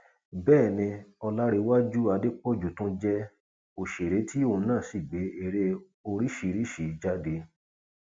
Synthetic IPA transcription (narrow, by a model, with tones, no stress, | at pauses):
bɛː˦˨nĩ˧ɔ˧la˦ɾe˧wa˦d͡ʒu˦a˧de˦k͡pɔ˦˨d͡ʒu˨tũ˦d͡ʒɛ˦ | o˨ʃe˨ɾe˨˦tʰi˦o˦˨˧nãː˦˨si˦˨ɡ͡be˨˦e˨ɾe˧ | o˧ɾi˦ʃi˧ɾi˦ʃi˨˦d͡ʒa˦de˧